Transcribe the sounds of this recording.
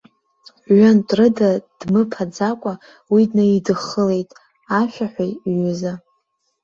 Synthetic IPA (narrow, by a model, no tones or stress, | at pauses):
ɥʷantʼrɨdad̥mɨpʰad͡zakʷʼa | widnaidɨχəle̞jtʼ | aʃʷᶣaħʷᶣajɥʊza